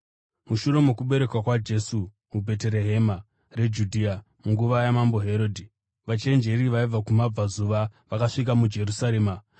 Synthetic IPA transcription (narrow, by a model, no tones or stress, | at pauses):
muʃuɾe̞mokuɓe̞ɾe̞kwakwad͡ʒe̞suː | bʱe̞teɾeɦe̞ma | re̞d͡ʒudʱia | muŋɡuʋajamambo̞ɦe̞ɾo̞dʱi | ʋat͡ʃe̞nd͡ʒe̞ɾiʋaib͡vakumab͡vazuʋaʋakaʂik̬amud͡ʒe̞rusaɾe̞ːma